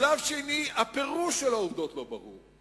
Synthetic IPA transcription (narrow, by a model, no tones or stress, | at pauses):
lavʃeniapeʁuʃelaovd̪o̞tlo̞bɐʁṵʁ